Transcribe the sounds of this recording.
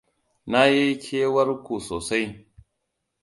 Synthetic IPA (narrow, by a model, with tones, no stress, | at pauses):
na˦je˦kʲʰe˦wɐ˦ɾku˨soː˨sa˦j